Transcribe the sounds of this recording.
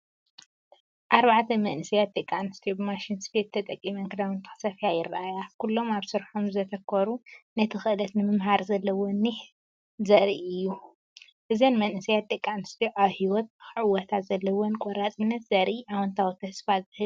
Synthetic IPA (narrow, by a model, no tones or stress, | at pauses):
ʔaɾβaʕt̪ʰɐmɐnɨsijat̪ʼːɨkʼːanɨst̪ʰijubɨmaʃinspʰet̪ʰːɐt̪ʼɐkʼːimɐnkʰɨd̪awɐnt̪ʰɨ̥xɨ̥sɐfijajɪɾːaʔajakulːo̞maβsɨɾħomzɐt̪ʰɐkʰːoɾunɐt̪ʰɨxɨʔɨlɐt̪nɨmɨmɦaɾzɐlːɐwonːiħ | zɐɾiʔɨjːu | ʔɨzɐnmɐnɨsijat̪ʼːɨkʼːanɨst̪ʰijuʔaβhiwɔt̪̚ʕɨwɐt̪ʰazɐlːɐwonkʼɔɾat͡sʼɨnːɐt̪zɐɾʔiʔawɐnt̪ʰawit̪ʰɐsfazɨhɨl